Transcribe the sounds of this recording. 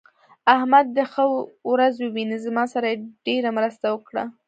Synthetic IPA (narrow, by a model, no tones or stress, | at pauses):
ahmad̪ːəxəwɾazwəwinəzmɑsaɾajeɖ̥eɾamɾəst̪awəkɽa̰